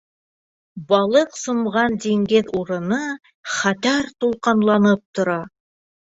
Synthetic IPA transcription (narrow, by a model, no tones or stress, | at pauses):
bɑlˠɤqsŏmʁɑnd̪eŋɡeðuɾɤ̆nɤ | χæt̪æɾt̪ulˠqɑnlˠɑnɤp̚t̪ŏɾɑ